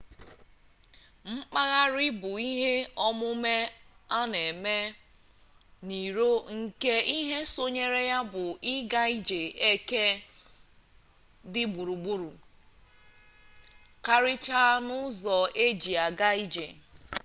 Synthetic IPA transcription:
ŋ͡m̩˦k͡pa˦ɣa˦ɾɪ˦bʊ˨i˦ɦe˦ɔ˦mʊ˦me˦a˦ne˨me˦ | ni˨ɾo˦ŋ̩˨ke˦i˦ɦe˦so˦ɲe˦ɾe˦ja˦bʊ˨ʔi˦ɡa˦i˦d͡ʒe˨e˦ke˦ | dɪ˦ɡ͡bu˨ɾu˨ɡ͡bu˦ɾu˨ | ka˦ɾɪ˦t͡ʃa˦nʊ˦zɔ˨e˦d͡ʒi˨a˨ɡa˦i˦d͡ʒḛ˨

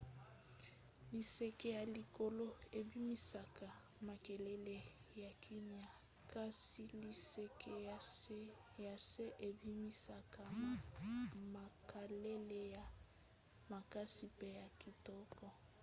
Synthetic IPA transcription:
li˨se˨kɛ˦ja˨li˨ko˨lo˦e˨bi˦mi˦sa˨ka˨ | ma˨kɛ˨lɛ˦le˨ | ja˨kʰi˦m˦a˨ | ka˦si˦li˨se˦ke˦ | ja˨se˦ʔe˨bi˦mi˦sa˨ka˨ | ma˨ka˨le˦le˦˨ja˨ | ma˨ka˦si˨pɛ˦ja˨ki˨tɔ˦kɔ˨

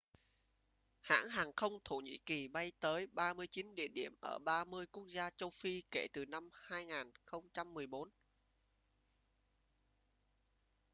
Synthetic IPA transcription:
ha̰ː˧˥ŋhaː˨˩ŋxə˧wŋ͡mt̪ʰo˧˩ɲḭ˧˥ki˨˩ɓa˧jt̪əː˨˦jɓaː˧mɨ˧əjt͡ɕi˨˦nɗḭ˧˩əɗi˧˩əmʔəː˧˩ɓaː˧mɨ˧əjku˦˥ək̚zaː˧t͡ɕə˧wfi˧ke˧˩t̪ɨ˨˩na˧mhaː˧jŋaː˨˩nxə˧wŋ͡mt͡ɕa˧mːɨ˨˩əjɓo˨˦n

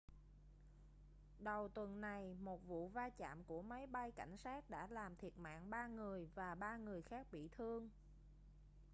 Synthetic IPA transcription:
ɗə˨˩wt̪wə˨˩nːa˨˩jmo˨˩t̚vṵ˧˨vaː˧t͡ɕa̰ː˧˨mku˧˩əmaə˨˦jɓa˧jka˧˩jŋ̟saː˦˥t̚ɗa̰ː˧˥laː˨˩mt̪ʰi˨˩ət̚ma̰ː˧˨ŋɓaː˧ŋɨ˨˩əjvaː˨˩ɓaː˧ŋɨ˨˩əjxaː˦˥k̚ɓḭ˧˨t̪ʰɨ˧əŋ

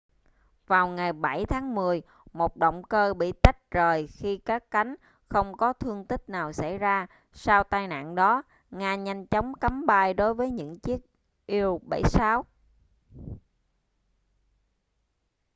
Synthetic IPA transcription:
vaː˨˩wŋa˨˩jɓa˧˩jt̪ʰaː˨˦ŋmɨ˨˩əj | mo˨˩t̚ɗo̰˧˨wŋ͡mkəː˧ɓḭ˧˨t̪a˦˥k̚t͡ɕəː˨˩jxi˧kaː˦˥kːa˨˦jŋ̟ | xə˧wŋ͡mkɔ˨˦t̪ʰɨ˧əŋt̪ï˦˥k̚naː˨˩wsa̰˧˩jzaː˧ | saː˧wt̪aː˧jna̰ː˧˨nɗɔ˨˦ | ŋaː˧ɲa˧jŋ̟t͡ɕɔ˨˦wŋ͡mka˨˦mɓaː˧jɗo˨˦jvəː˨˦jɲɨ̰˧˥ŋt͡ɕi˦˥ək̚ | ʔi˧əwɓə̰˧˩jsaː˨˦w

